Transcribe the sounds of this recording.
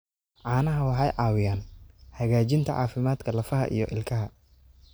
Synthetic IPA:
ʕɑːnɐɦɐwɑħɑjʕɑːwɪjaːnhɐɣaːt͡ʃɪnt̪ʰɐʕɑ̰ːfɪmaːd̪kʰɐlɐfɐɦɐ̰ʔḭjɞʔɪ̰lkʰɐɦɐ

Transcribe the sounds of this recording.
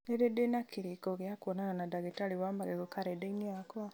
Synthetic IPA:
eɾedenakʰiɾikɔɣjakwɔnananadaɣetaliwamaɣɛɣokaɾɛdeiniakɔa

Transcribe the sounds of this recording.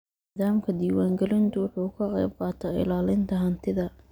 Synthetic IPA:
nɪðaːmkʰɐd̪iːwaːŋɡɛlɪnt̪ʰʊwʊħuːkʰɐqɛ̰jb̚qɑːt̪ʰaːɪ̰laːlɪnt̪ʰɐɦɐnt̪ʰɪðɐ

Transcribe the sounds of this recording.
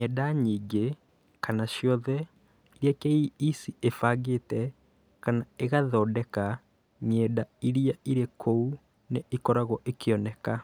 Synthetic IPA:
ɛdaɲiːɡe | kanaʃjɔðɛ | iɾiakeiisiefaɣetɛ | kanaeɣaðɔdɛka | ɲɛːdaiɾiaiɾekʰou | neikɔɾaɣɔʔekʰeɔnɛka

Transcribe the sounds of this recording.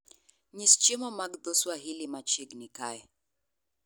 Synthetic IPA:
ɲist͡ʃemɔmaɡd̪oswaɦilimat͡ʃiɡnikaɛ

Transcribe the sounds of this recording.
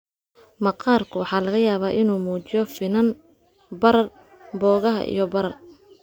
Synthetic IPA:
mɐqɑːrkʰʊwɑħɑːlɐɣɐjaːβaːʔɪnuːmuːt͡ʃɪjɔfɪnɐn | bɐɾɐr | bɔːɣɐɦɐ̰ʔḭjɞbɐɾɐr

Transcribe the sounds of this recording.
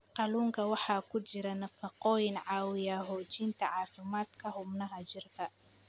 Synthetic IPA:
qɑluːŋkʰɐwɑħɑːkʰʊt͡ʃɪɾɐnɐfɑqɔːjɪnʕɑːwɪjaɦɔːt͡ʃint̪ʰɐʕɑːfɪmaːd̪kʰɐɦʊbnɐɦɐt͡ʃɪrkʰɐ

